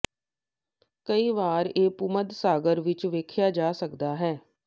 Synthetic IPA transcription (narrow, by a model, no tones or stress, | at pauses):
kəiːʋaːɾeːpʊməd̪saːɡəɾʋɪt͡ʃʋeːkʰjaːd͡ʒaːsəkd̪aːɦɛː